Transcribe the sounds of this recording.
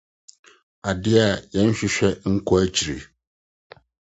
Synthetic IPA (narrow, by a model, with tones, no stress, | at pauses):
a˨dɪ˦a˨jɛ̃˦n̩˦ɕᶣɪ˦ɕᶣɛ˦ŋ̩˦kʰɔ˦æ˨t͡ɕʰi˨ɾḛ˨